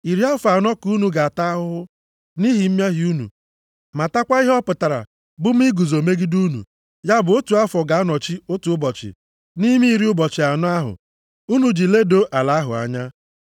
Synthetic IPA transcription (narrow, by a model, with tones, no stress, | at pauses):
i˨ɾi˦a˦fa˨nɔ˦ku˦nu˨ɡa˨a˨ta˦a˦ɦʊ˦ʊ˦ | ni˦ɦi˨m̩˦m˦a˦ɦi˨˦u˦nṵ˨ | ma˨ta˦kʷa˦i˦ɦɔ˦pʊ˨ta˨ɾa̰˨ | bʊ˦m̩˦i˦ɡu˨zo˨me˦ɡi˦du˦nṵ˨ | ja˦bʊ˨o˦tu˨a˦fɔ˨ɡa˨a˦nɔ˨t͡ʃi˦o˦tu˨ʊ˦bɔ˨t͡ʃɪ̰˨ | ni˦mi˦i˦ɾi˦ʊ˦bɔ˨t͡ʃɪ˨a˨nɔ˦a˦ɦʊ̰˨ | u˦nu˨d͡ʒi˨le˦do˦ʔa˨la˨˦ɦʊ̰˨a̰˨ɲa˦